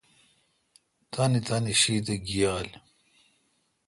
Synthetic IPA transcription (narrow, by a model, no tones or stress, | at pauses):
t̪anit̪aniɕiːt̪̬eɡijaːl